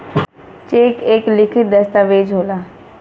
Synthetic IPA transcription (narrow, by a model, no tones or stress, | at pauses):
t͡ʃeːkeːklɪkʰɪt̪̚d̪ɐst̪aʋeːd͡ʒɦoːlaː